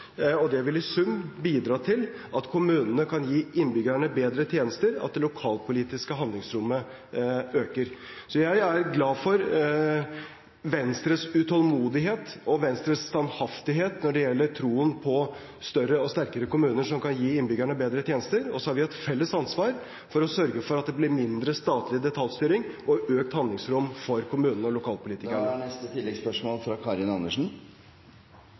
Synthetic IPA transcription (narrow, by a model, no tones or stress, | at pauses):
ɔd̪ɛʋɪlɪsʉmbiːd̪ɾɑːt̪ʰɪlɑt̪kʰʊmʉːnənəkʰɑnjiːʔɪnbʏɡæɳəbeːd̪ɾət̪ʰjeːnəst̪əɾɑ̰t̪̚d̪ɛlʊkʰɑːlpʰʊliːt̪ɪskəɦɑnd̪lɪŋsɾʊmːə | øːkəɾsɔjæɪæɾɡlɑːfɔɾ | ʋɛnst̪ɾəsʉt̪ʰɔlmuːd̪ɪɦeːt̪ɔʋɛnst̪ɾəst̪ɑnhɑft̪ɪɦeːt̪nɔɖɛjɛlːəɾʈʰɾuːənpʰɔ | st̪œrəɔst̪æɾkəɾəkʊmʉːnəʂɔmkɑnjiːɪnbʏɡæɳəbeːd̪ɾət̪ʰjeːnəst̪əɾɔsːɔhɑɾʋɪɛt̪fɛlːəsɑnsʋɑːɾ | fɔɾɔsœɾɡəfɔɾɑt̪̚d̪ɛblɪɾmɪnd̪ɾəst̪ɑːt̪ʰlɪd̪ɛt̪ʰɑlst̪yːɾɪŋɔøːkt̪hɑnd̪lɪŋsɾʊmːfɔɾkʰʊmʉːnənəɔlʊkʰɑːlpʊliːt̪ɪkəɳəɳɛst̪ət̪ʰɪlɛɡspœʂmoːlfɾɑkʰɑɾɪnɑnːəʂn̩